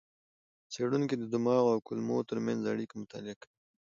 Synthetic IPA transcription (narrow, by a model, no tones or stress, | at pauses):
seɽunked̪əd̪ʊmɑɣawkʊlmot̪əɾmanzaɽikamʊt̪ɑ̰lɪakawi